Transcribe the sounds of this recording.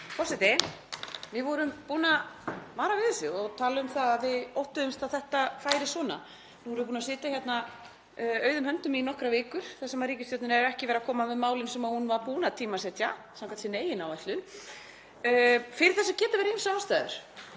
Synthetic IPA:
pʰɔsɛt̪ɪ | vɪvɔɾʏmpuːnamaːɾavɪðsɪɔɣt̪ʰaːlʏʏmθaðaðvɪowht̪ʏðʏmst̪awθɛht̪afaːjɾɪsɔːna̰ | nuvɔɾʏvp̬uːnasɪːt̪açjɛt̪na | œːɥðʏmhœnt̪ʏminɔhkɾavɪːkʏɾ̥θɛsːɛmariːcɪst̪jɔwt̪nɪɾɛɾɛhcɪvɛːɾakʰɔːmavɛðmaːwlɪnsɛmahunvaɾpuːnat̪ʰiːmasɛt̪jasamkʰant̪sɪneːjɪnawɛst̪lʏn | fɪɾɪ̥θɛsːacɛːt̪avɛːɾmsawast̪aːðʏ̰ɾ̥

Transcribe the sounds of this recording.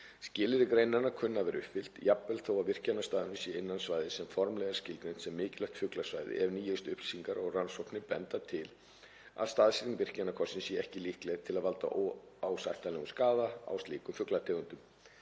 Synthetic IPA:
scɪːlɪɾɪkɾejnaɾnakʰʏnːavɛɾʔʏ̰hpfɪl̥t̪japvɛlθoːwavɪr̥canːast̪aːðɪnʏsjɛɪnːansvaːjðɪsɛmfɔɾmlɛɣaɾ̥scɪlkɾejn̥t̪sɛmːɪːcɪlœht̪fʏklasvajðɪ̰ʔɛɾniːjʏst̪ʏhpl̥isiŋkaɾɔɣransɔwpnɪpɛnt̪at̪ʰɪl | a̰ðst̪aːðsiɾnvɪr̥canːakʰɔr̥sɪnsjɛɛhcɪlihklɛɣ̥t̪ʰɪlaðvalt̪a̰ʔo | aːwsajht̪alɛɣʏskaːðaa̰wst̪liːkʏmfʏklat̪ʰɛːɣʏnt̪ʏm

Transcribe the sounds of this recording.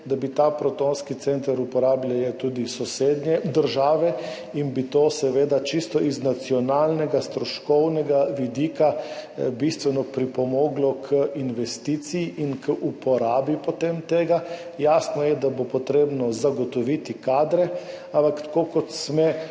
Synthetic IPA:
d̪abit̪apɾɔt̪onskit̪sent̪aɾupɔɾaːblʲajɛt̪uːd̪isɔseːd̪nɛd̪əɾʒaːʋɛ | inbit̪osɛʋeːd̪at͡ʃist̪ɔʔiznat̪siɔnaːlnɛɡast̪ɾɔʃkɔwnɛɡaʋid̪iːkabist̪ʋɛnɔpɾipɔmoːɡlɔkʰəʔinʋɛst̪iːt̪sijiʔinkəʔupɔɾaːbipɔt̪emt̪eːɡa | jaːsnɔjɛd̪abopɔt̪ɾeːbnɔzaɡɔt̪ɔʋit̪ikaːd̪ɾɛ | ãmpakt̪ḁkokɔt̪smɛ

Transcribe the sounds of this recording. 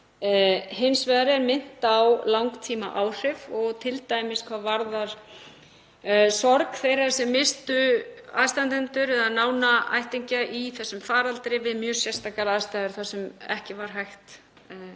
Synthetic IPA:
hɪnsvɛðaɾɛɾmɪn̥t̪awlawŋkt̪ʰiːma̰ʔaːwr̥ɪvɔɣt̪ʰɪlt̪aːjmɪskʰvaːvaɾðaɾ̥ | sɔɾkθejɾaɾsɛmːɪst̪ʏaðst̪ant̪ɛnt̪ʏɾɛðaðnaːwnaa̰jht̪ɪɲcaʔiθɛsːʏmfaːɾalt̪ɾɪvɪðmjœːsjɛst̪akaɾaðst̪ajðʏɾ̥θasɛmɛ̰hcɪvaɾ̥ɦajxt̪ː

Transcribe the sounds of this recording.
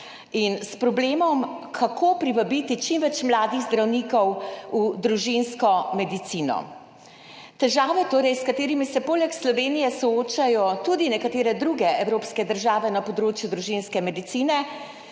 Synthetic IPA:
inspɾɔbleːmɔmkʰakʰoːpɾiʋabiːt̪it͡ʃimʋɛt͡ʃmlaːd̪iɣzd̪ɾawniːkɔwud̪ɾuʒinskɔmɛd̪it̪siːnɔ̰ | t̪ɛʒaːʋɛt̪oːɾɛjskat̪eːɾimisɛpoːlɛkslɔʋeːnijɛsɔoːt͡ʃajɔt̪ud̪inɛkat̪eːɾɛd̪ɾuɡɛɛwɾoːpskɛd̪əɾʒaːʋɛnapɔd̪ɾoːt͡ʃjud̪ɾuʒinskɛmɛd̪it̪siːnɛ

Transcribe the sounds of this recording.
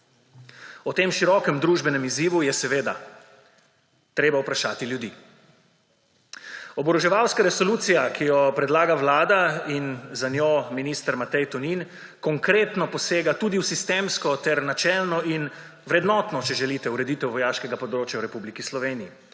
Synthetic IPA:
ɔt̪eːmʃiɾɔːkɛmd̪ɾuʒbɛnɛmiziːʋujɛsɛʋeːd̪a̰ | t̪ɾeːbawpɾaʃaːt̪iljud̪iː | ɔbɾɔʒɛʋawskaɾɛsɔluːt̪sijakʰijɔpɾɛd̪laːɡaʋlaːd̪ainzanʲjominist̪ɾmat̪ɛjt̪ɔnin | kɔŋkɾeːt̪nɔpɔseːɡat̪uːd̪iwsist̪emskɔt̪ɛɾnat͡ʃɛlnɔin | ʋɾɛd̪nɔːt̪nɔt͡ʃɛʒɛliːt̪ɛuɾɛd̪iːt̪ɛwʋɔjaːʃkɛɡapɔd̪ɾoːt͡ʃjawɾɛpublikislɔʋeːniji

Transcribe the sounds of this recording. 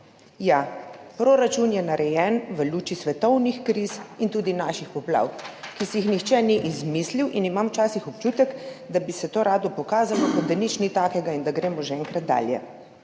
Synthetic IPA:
japɾoɾat͡ʃunjɛnaɾʔɛjɛnʋəluːt͡ʃisʋɛt̪ɔwnixkɾisint̪uːd̪inaːʃixupla̰wkisɛjixnixt͡ʃɛniʔizmisliwʔinimamwt͡ʃaːsixɔpt͡ʃuːt̪ɛkd̪abisɛt̪oːɾaːd̪ɔpɔkaːzalɔkɔd̪d̪anit͡ʃnit̪aːkɛɡaind̪aɡɾeːmɔʒɛɛŋkɾat̪̚d̪a̰ːljɛ̰

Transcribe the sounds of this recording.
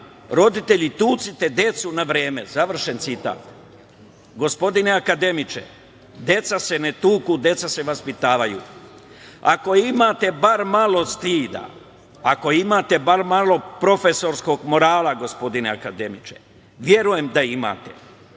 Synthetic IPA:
ɾo̞d̪it̪e̞ʎit̪uːt̪sit̪e̞d̪e̞t̪sunaʋɾeːme̞̰zaʋr̩ʃe̞nt̪sit̪a̰ːt̪ | ɡo̞spo̞d̪ineakad̪e̞mit͡ʃḛ | d̪e̞t̪sase̞ne̞t̪uːkud̪e̞t̪sase̞ʋaspit̪aːʋajṵː | a̰ko̞imat̪e̞baɾmalo̞st̪iːd̪a̰ | ako̞imaːt̪e̞baɾmalo̞pɾo̞fe̞so̞ɾsko̞ɡmo̞ɾaːlaɡo̞spo̞d̪ine̞akad̪e̞mit͡ʃe | ʋje̞ɾuje̞md̪aima̰ːt̪e

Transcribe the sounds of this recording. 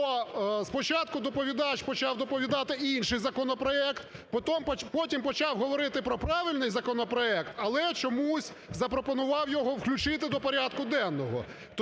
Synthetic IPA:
ɔspɔt͡ʃɑt̪kʊd̪ɔpɔʋʲid̪ɑt͡ʃpɔt͡ʃɑwd̪ɔpɔʋʲid̪ɑt̪ɪinʲʃɪjzɐkɔnɔpɾɔɛkt̪pɔt̪ɔmpɔtʲimpɔt͡ʃɑwɦɔʋɔɾɪt̪ɪpɾɔpɾɑʋɪlʲnɪjzɐkɔnɔpɾɔɛkt̪ɐlˠɛt͡ʃɔmusʲ | zɐpɾɔpɔnʊʋɑwjɔɦɔwklʲʊt͡ʃɪt̪ɪd̪ɔpɔɾʲad̪kʊd̪ɛnːɔɦɔ̰ | t̪

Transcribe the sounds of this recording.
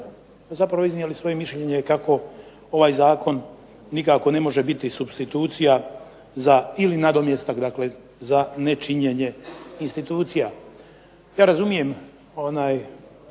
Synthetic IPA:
zapɾaʋoiznielisʋo̞jemiʃʎeɲekako̞ | o̞ʋaːjzaːkʰo̞nː | ikako̞ne̞mo̞ʒe̞bit̪isubst̪it̪uːt̪sija | zailinad̪o̞mjest̪akd̪akle̞ | zane̞t͡ʃiɲeɲe̞inst̪it̪uːt̪sija | jaːɾazumije̞m | o̞naːj

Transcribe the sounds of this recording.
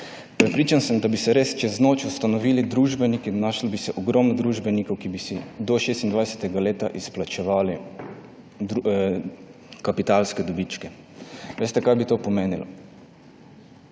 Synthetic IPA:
pɾɛpɾiːt͡ʃansəmd̪abisɛɾeːst͡ʃɛznoːt͡ʃust̪anɔʋiːlid̪ɾuːʒbɛnikinnaʃlbisɛʔɔɡɾɔmnɔd̪ɾuʒbɛnikɔwkibisid̪ɔʃeːst̪ind̪ʋajsɛ̥t̪ɛɡaleːt̪aʔisplat͡ʃɛʋaːli | kapit̪alskɛd̪ɔbit͡ʃkɛ | ʋeːst̪ɛkajbit̪oːpɔmeːnilɔ̰

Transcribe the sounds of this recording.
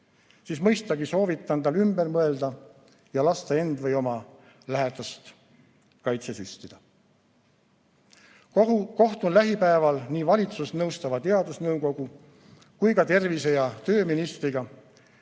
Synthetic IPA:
siːsmɤjst̪ɑɡiso̞ːvit̪ːˑɑnd̪̥ɑlymbe̞rmɤe̞ld̪ɑ | jɑlɑst̪ɑe̞nd̪vɤjo̞mɑ | læɦed̪ɑst̪ | kɑjt̪sesyst̪id̪̥ɑ | ko̞ht̪unlæɦipæevɑlniːvɑlʲit̪susnɤwst̪ɑvɑt̪e̞ɑd̪̥usnɤwko̞ɡ̥u | kujkɑt̪e̞rvise̞jɑt̪ø̞ːminist̪riɡ̥ɑ

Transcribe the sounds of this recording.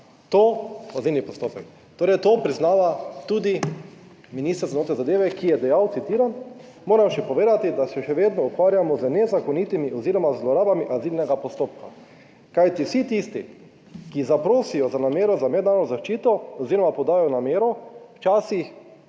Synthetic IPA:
t̪oazilnipɔst̪oːpɛk | t̪oːɾɛjt̪oːpɾiznaːʋat̪uːd̪i | minist̪əɾzanoːt̪ɾɛzad̪eːʋɛkijɛd̪ɛjawt̪sit̪iːɾan | moːɾamʃɛpɔʋeːd̪at̪id̪asɛʃɛʋeːd̪nɔukʋaːɾjamɔzənɛzakɔnit̪imiʔɔziɾɔmazlɔɾaːbamiʔazilnɛɡapɔst̪oːp̚ka̰ | kajt̪isit̪ist̪ḭ | kizapɾoːsijɔzanameːɾɔzamɛd̪naːɾnɔzaʃt͡ʃiːt̪ɔɔziɾɔmapɔd̪aːjɔnameːɾɔwt͡ʃaːsix

